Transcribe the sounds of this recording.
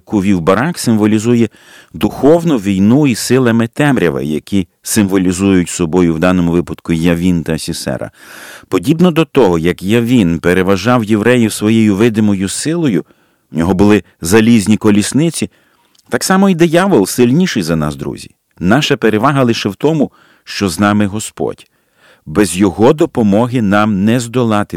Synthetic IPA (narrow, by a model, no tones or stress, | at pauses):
kʊʋʲiwbɐɾɑksɪmʋɔlʲizujɛ | d̪ʊxɔwnʊʋʲijnuisɪlˠɐmɪt̪ɛmɾʲɐʋɐ̰jɐ̰kʲi | sɪmʋɔlʲizujʊtʲsɔbɔjʊwd̪ɑnɔmʊʋɪpɐd̪kʊjɐʋʲint̪ɐɐsʲɪsɛ̰ɾɐ̰pɔdʲibnɔd̪ɔt̪ɔɦɔjɐkjɐʋʲinpeɾeʋɐʒɑwjeʋɾɛjʊsʋɔjejʊʋɪd̪ɪmɔjʊsɪlˠɔjʊ | ʊnʲɔɦɔbʊlˠɪ | zɐlʲizʲnʲikɔlʲisnɪt͡sʲi | t̪ɑksɑmɔid̪ɪjɑʋɔlˠsɪlʲnʲiʃɪjzɐnɑ̰sd̪ɾṵzʲḭ | nɑʃɐpeɾeʋɑɦɐlˠɪʃɛwt̪ɔmʊ | ʃt͡ʃɔznɑmɪɦɔspɔ̰dʲ | bɛzʲjɔɦɔd̪ɔpɔmɔɦɪnɑmnɛzd̪ɔlˠɑt̪ɪ